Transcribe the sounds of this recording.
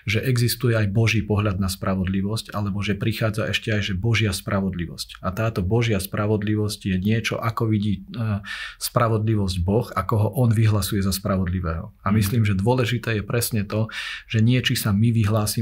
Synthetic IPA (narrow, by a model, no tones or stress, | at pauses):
ʒɛʔɛɡzist̪ujɛajbɔʒiːpɔɦʎad̪̚naspɾaʋɔd̪liʋɔscalɛbɔʒɛpɾixaːd͡zaʔɛʃcɛajʒɛbɔʒɪaspɾaʋɔd̪liʋɔscat̪aːt̪ɔbɔʒɪaspɾʔaʋɔd̪liʋɔscjɛɲɪɛt͡ʃɔ̰ʔakɔʋiɟiː | spɾaʋɔd̪liʋɔzɟbɔxakɔɦɔʔɔnʋiɦlasujɛzaspɾaʋɔd̪liʋɛːɦɔ̰amisliːmʒɛd̪ʊɔlɛʒit̪ɛːjɛpɾɛsɲɛt̪ɔʒ̥ɛɲɪɛt͡ʃisamiʋiɦlaːsi